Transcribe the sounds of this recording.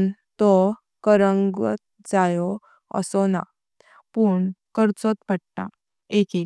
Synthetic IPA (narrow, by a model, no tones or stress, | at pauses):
n | t̪ɔ | kəɾəŋɡʋə̰t̪̚ | d͡zajɔ | ə̰sɔna̰ | puɳkəɾt͡sɔt̪pəɽʈa̰ | eki